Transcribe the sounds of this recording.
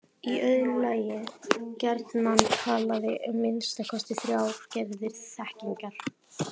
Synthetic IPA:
iœðlaːjɪcɛɾt̪nant̪ʰaːlaðɪʔʏmːɪnst̪akʰɔst̪ɪθɾjaːwcɛvðɪɾsɛhciŋkal

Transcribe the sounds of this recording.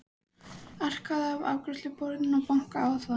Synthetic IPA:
ar̥kaðːva̰ːwkɾʏst̪lʏpɔɾnɪnɔpawŋ̥kaaːwθva

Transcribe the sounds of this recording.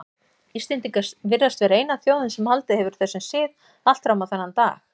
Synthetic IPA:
ist̪ɪnt̪iŋkasvɪrðast̪vɛːɾaejnaθjoːwðɪnsɛmhalt̪ɪhɛvʏɾ̥θɛsːʏnsɪːð | al̥t̪fɾawmawθanːant̪a̰ːx

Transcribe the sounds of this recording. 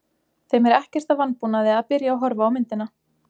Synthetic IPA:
θejmɛɾɛhcɛ̥r̥t̪avanpunaðɪaðpɪɾjaːwɦɔɾvaːwmɪnt̪ɪna

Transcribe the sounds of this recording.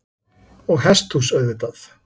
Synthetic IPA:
ɔɣɦɛst̪husœɥðɪt̪aθ

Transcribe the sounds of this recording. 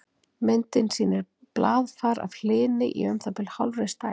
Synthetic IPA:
mɪnt̪ɪnsiːnɪɾ | plʔaːðfaːɾa̰vl̥ɪːnɪʔḭœmθapɪlhawlrɪst̪aː

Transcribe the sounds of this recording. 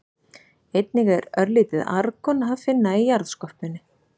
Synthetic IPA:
ejt̪̚niɣɛɾœɾliːt̪ɪða̰ɾkɔnɦavfɪnːaijaɾðskɔhpɪnːɪ

